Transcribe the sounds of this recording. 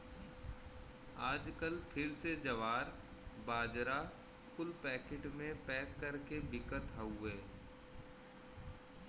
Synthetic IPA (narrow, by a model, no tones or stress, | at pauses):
aːd͡ʒkəlpʰɪɾsed͡ʒɐʋaːɾ | baːd͡ʒɾa | kʊlpɛːkeːʈmẽpɛːkːɐɾkebɪkət̪ɦɐuɛː